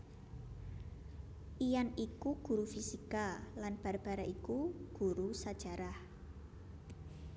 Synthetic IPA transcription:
ʔijanikuɡ̥ṳɾufisikalanb̥a̤rb̥aɾaʔikuɡ̥uɾusad̥ʒ̥a̤ɾah

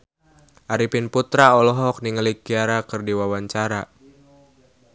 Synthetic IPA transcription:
ʔaɾipinput̪ɾaɔlɔɦɔk̚niŋəlik̚iaɾakɨrdiwawaɲt͡ʃaɾa

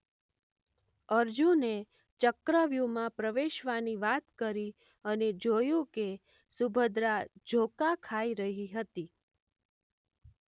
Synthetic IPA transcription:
əɾd͡ʒũne | t͡ʃəkɾəʋjumãpɾəʋeʃʋaniʋat̪kəɾi | əned͡ʒojũke | subʱəd̪ɾad͡ʒʱokakʰaiɾəɦiɦət̪i

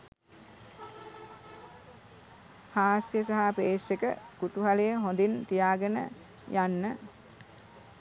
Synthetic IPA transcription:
haːsjəsaɦapeːʂekə̰kut̪uɦalejəɦond̪int̪ijaːɡənə̰ | janːə

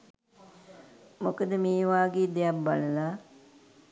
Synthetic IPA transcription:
mokəd̪əmiːʋaːɡeːd̪ejapbaləlaː

